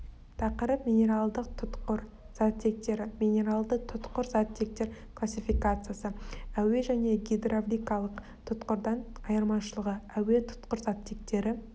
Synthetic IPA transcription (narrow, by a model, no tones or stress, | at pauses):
t̪ʰɑqəɾəpmʲijnʲe̞ɾalˠd̪əq̚t̪ʰʊt̪qəɾ | z̥at̪ːe̞k̚t̪e̞ɾɪmʲinʲe̞ɾalˠd̪ət̪ʰʊt̪qəɾzat̪ːe̞k̚t̪e̞ɾklˠasʲːifikat̪sɨjasəæwe̞ʒæne̞ɡʲijd̪roblʲijkalˠəq | t̪ʰʊt̪qəɾd̪ɑnɑjəɾmɑnʃəlˠəʁəæwe̞t̪ʰʊ̥t̪qəɾzat̪ːe̞k̚t̪e̞ɾɪ